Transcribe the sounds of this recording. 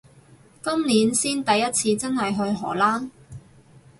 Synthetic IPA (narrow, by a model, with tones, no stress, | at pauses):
kɐ˥mniː˨˥nsiː˥nt̪ɐ˨jːɐ˥t̚t͡sʰiː˧t͡sɐ˥nɦɐ˨jɦɵ˧ɥɦɔ̰ː˨˩laː˥n